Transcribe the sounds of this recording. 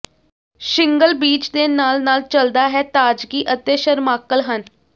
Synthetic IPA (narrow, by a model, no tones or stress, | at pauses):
ʃɪŋɡəlbiːt͡ʃd̪eːnaːlnaːlt͡ʃəld̪aːɦɛːt̪aːd͡ʒɡiːʔət̪eːʃəɾmaːkəlɦən